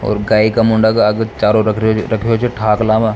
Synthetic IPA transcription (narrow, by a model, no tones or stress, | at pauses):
ɔ̰ːɾɡaːikamʊɳɖakaɐɡət͡ʃaːɾoɾɐkʰɾɐkʰeɦot͡ʃʰeʈʰaːklãːmãː